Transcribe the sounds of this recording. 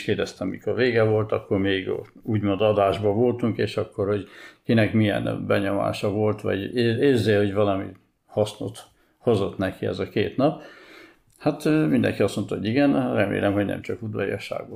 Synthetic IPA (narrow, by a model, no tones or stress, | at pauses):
keːrd̪ɛst̪ɛmːḭkorveːɡɛvo̞lt̪ɒkːo̞rmeːɡ | uːɟmond̪ɒd̪aːʒbɒvo̞lt̪uŋkeːʃɒkːorho̞ɟkinɛkmijɛ̰nbɛɲo̞ma̰ːʃɒvo̞lt̪ʋɒ̰ɟeeːrzeːho̞ɟvɒlɒmḭ | hɒsno̞̰t̪ | hozo̞t̪nɛkiɛ̰zɒkeːt̪nɒp | hat̪ːmind̪ɛ̰ŋkiɒst̪mo̞nt̪ɒɦo̞ɟiɡɛnrɛmḛːlɛmɦo̞ɟnɛ̰mt͡ʃɒkud̪ʋɒ̰j̰ɒʃa̰ːɡo